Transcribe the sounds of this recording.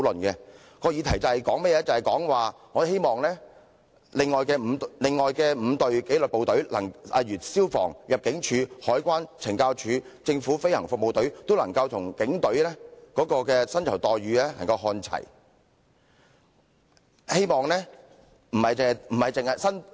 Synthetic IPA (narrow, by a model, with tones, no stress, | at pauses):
wlɵ˨nkɛː˧ | kɔː˧jiː˨˧t̪ʰɐ˨˩jt͡sɐ˨whɐ˨˩jkɔː˨˥ŋmɛ˥jɛː˨˧˥t͡sɐ˨˩hɐ˨˩jkɔː˨˥ŋwaː˨ŋɔː˨˧he˥jmɔː˨ŋlɛː˥ | lɪ˨ŋːɔː˨jkɛː˧m̩˨˧lɪ˨ŋːɔː˨jkɛː˧m̩ː˨˧t̪ɵ˨ɥke˨˥jlɵ˨po˨wt̪ɵ˨˥ɥlɐ˨˩ŋɐ̰˨jyː˨˩t̚siː˥wfɔ̰ː˨˩ŋjɐ˨p̚kɪ˨˥ŋt͡ʃʰyː˨˧hɔː˨˥jkʷaː˥nt͡sʰɪ˨˩ŋkaː˧wt͡ʃʰyː˨˧t͡sɪ˧ŋfuː˨˥fe˥jhɐ̰˨˩ŋfʊ˨k̚mo˨wt̪ɵ˨˥ɥt̪wlɐ˨˩ŋkɐ˧wt̪ʰʊ˨˩ŋkɪ˨˥ŋt̪ɵ˨˥lɛː˥kɔː˨˥kɔː˧kɛː˧sɐ˥nt͡sʰwt̪ɔː˨jɥyː˨˧lɛː˥lɐ˨˩ŋkɐ˧wɦɔː˧nt͡sʰɐ̰˨˩j | he˥jmɔː˨ŋlɛː˥ | m̩˨˩hɐ˨jt͡sɪ˨hm̩˨˩hɐ˨jt͡sɪ˨ŋhɐ˨jsɐ˥n